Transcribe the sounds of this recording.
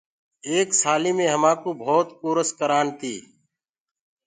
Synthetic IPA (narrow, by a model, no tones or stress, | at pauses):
eːksaːliːmẽːɦəmãːkoːbʱoːt̪puːɾəskəɾaːnt̪ʰiː